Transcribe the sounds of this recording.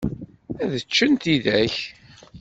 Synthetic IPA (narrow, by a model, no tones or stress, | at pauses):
æðət͡ʃːənt̪iðæç